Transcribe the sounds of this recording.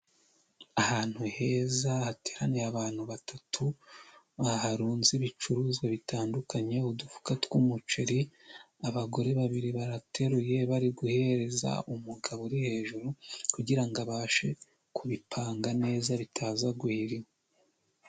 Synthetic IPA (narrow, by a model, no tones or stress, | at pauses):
ahaːn̥huhe̞ːzahate̞ːɾanejaβaːn̥huβatʰatʰu | βahaɾuːnziβit͡ʃuɾuzɡwaβitaːndukaɲe̞udufu̥katwumut͡ʃeɾi | aβaɡo̞ɾe̞βaβiɾiβaɾatʰe̞ɾuje̞βaɾiɡuhe̞ɾe̞za̰umuɡaβoɾihe̞ːʒuɾukuɟiɾaŋɡaβaːʃe̞ | kuβipʰaːŋɡane̞ːzaβitʰaːzaɡuhiɾim